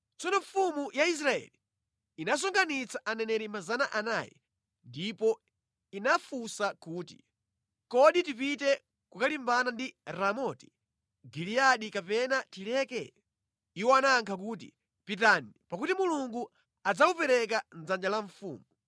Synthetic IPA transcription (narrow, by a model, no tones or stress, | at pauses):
t͡sɔnɔɱfumujais̬ɾaɛ̰li | inas̬ɔŋɡanit͡saʔanɛnɛɾimazanaʔana̰ːjɛ̰ | ndipɔ | inafusakuːti | kɔɗitipitɛ | kukalimbanandiɾamɔti̥ | ɡiliaɗikapɛnatilɛkɛ̰ | iwɔanaŋkʰak̬uːtḭ | pitanipakutimuluŋɡu | ad͡zaupɛɾɛkanzand͡ʒalaɱfṵːmu